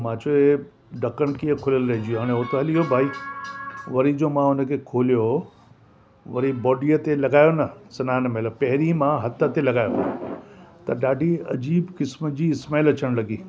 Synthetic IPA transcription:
mãːt͡ɕoe | ɖɐkəɽ̃kiəkʰʊləlɾɐɦɪ̃d͡ʑijoɦaːɽ̃ẽɦot̪ɐɦɐliɦobʱaːi | ʋɐɾid͡ʑomãʊnə̆kʰekʰoːlijo | ʋɐɾibɔːɖiət̪elɐɡaːjonɐsɐnaːnmeləpɐɦɪɾimãɦɐt̪ə̆t̪elɐɡaːjo | t̪ɐɗaːɖʱiɐ̰d͡ʑiːbkɪsməd͡ʑiːɪsmaːlɐt͡ɕəɽ̃lɐɡiː

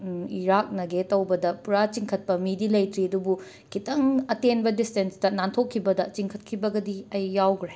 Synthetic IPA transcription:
iɾak̚nɐɡetɐwbɐdɐpuɾat͡ʃiŋkʰɐt̚pɐmidilɐjtɾiɐdubu | kʰitɐŋɐtenbɐdistenstɐnantʰokʰːibɐdɐt͡ʃiŋkʰɐt̚kʰibɐɡɐdiɐjːawɡɾe

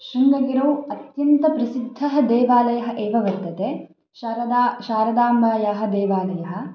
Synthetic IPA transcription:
ʃɾɐnɡɐɡiɾowɐt̪jɐnt̪ɐpɾɐsid̪ʱːɐɦɐd̪ɛːʋaːlɐjɐɦɐ̆ʔeːʋɐʋɐɾt̪ɐt̪eː | ʃaːɾɐd̪aːmbaːjaːɦɐ̆d̪ɛːʋaːlɐjɐɦɐ̆

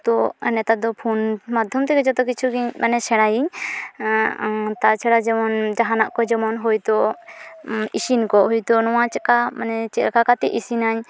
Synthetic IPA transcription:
t̪ɔnɛt̪ad̪ɔpʰunmad̪ʱjɔmt̪ɛkɛd͡ʒɔt̪ɔkit͡ʃʰuɡiɲmanɛsʰɛɽajiɲ | t̪at͡ʃʰaɽad͡ʒɛmɔnd͡ʒaɦanaʔkɔd͡ʒɛmɔnɦujt̪ɔ | isinkɔɦujt̪ɔnɔwat͡ʃɛkamanɛt͡ʃɛkakat̪ɛʔisinaɲ

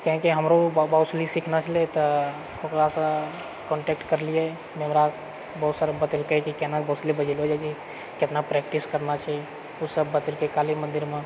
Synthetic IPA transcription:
kɦẽkiɦəmɾobawslisikʰnat͡ʃʰəlet̪ɔ | okɾasə̃ | kɔ̃ɳʈekʈkəɾliɛ | meɦəmɾa | bɔut̪saɾbət̪əlkekikenabəʊslibəd͡ʒelɦod͡ʒat͡ʃ | kɪt̪napɾɛkʈiskəɾnat͡ʃʰɛi | usəbːət̪əlkekalimə̃nd̪iɾmẽ

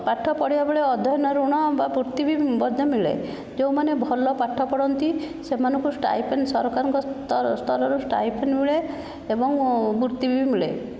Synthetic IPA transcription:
paʈʰːɔpɔɽibabeɭeɔd̪ʱɔjɔnɔɾuɽ̃ɔbabuɾt̪ibʱibɔd̪ʱjɔmiɭḛ | d͡ʒeũmanebʱɔlɔpaʈʰːɔpɔɽɔnt̪i | semanɔŋkusʈa̰jpʰensɔɾɔkaɾɔŋkɔst̪ʰɔlɔɾusʈa̰jpʰenmiɭe | ebɔŋbuɾt̪ibbimiɭḛ

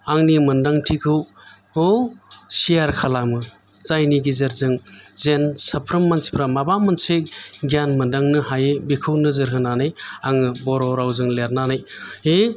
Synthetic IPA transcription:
aŋnimɯndaŋtʰikʰɯw | osijaɾkʰalamɯ | z̥ajniɡizɐɾzɯŋzensɐpʰɾɯmːansi̥pʰɾamabamɐnsek̚ɡijanmɐndaŋnɯhajebikʰɯwnɯzɯɾɦɯnanɯjaŋɯbɔɾɔwɾawzɯŋleɾnanajhe

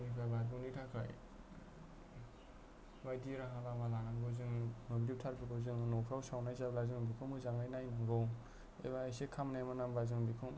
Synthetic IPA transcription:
nipʰabatɡunitʰakʰɾa̰j | bajdiɾaɦalamalaŋaŋɡɯzɯŋnɯblip̚tʰaɾbʰɯɡɔzɯŋnɔpʰɾawsawnajzablazɯŋbikʰɯmɯzaŋajnajnaŋɡɔw | ḛbaːjsekʰamnajmanambazɯŋbikʰɯm

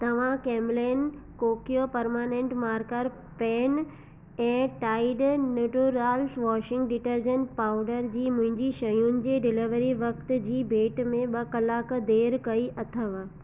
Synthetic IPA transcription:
t̪ɐʋ̤ãkɛːmleːnkoːkijopɐɾmaːnẽɳʈmaːɾkəɾ | pɛːn | ɛ̃ːʈaːɪɖnjuːʈuɾaːlsʋɔːʃɪ̃ŋɡɖɪʈəɾd͡ʑənpaːʊɖəɾd͡ʑiːmʊ̃ɦɪ̃ɲd͡ʑiʃɐjunɪ̆d͡ʑeːɖɪlɪʋəɾiʋɐkt̪̆d͡ʑiːbʱeːʈmẽɓɐkɐlaːkd̪eːɾkɐiʔɐt̪ʰəʋ

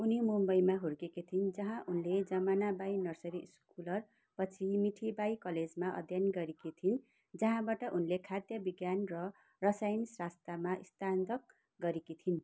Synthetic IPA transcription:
unimumbʌjmaɦuɾɡekit̪ʰind͡zʌɦãʔunled͡zʌmanabajnʌrsʌɾiskulʌr | pʌt͡sʰimiʈʰibajkʌled͡zmaʔʌ̰d̪ʱjanɡʌɾekit̪ʰin | d͡zʌɦãbaʈʌʔunlekʰad̪jʌbiɡjanrʌ | rʌsajnisrast̪amaʔist̪and̪ʌk̚ | ɡʌɾekit̪ʰin

